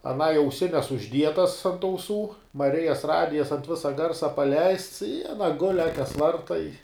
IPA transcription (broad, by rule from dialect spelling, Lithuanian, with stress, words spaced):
ɐˈnɐɪ ɐʊˈsʲɪnʲɛs ʊʒʲˈdʲiɛtɐs ɐnt ɐʊˈsuː mɐˈrʲɪjɛs ˈrɑːdʲɪjɛs ɐnt ˈʋʲɪsɐ ˈɡɐrsɐ pɐˈlʲɛɪsts ɪ ɐˈnɐ ɡʊlʲ ˈɑːkʲɛs ˈʋɐrtɐ ɪ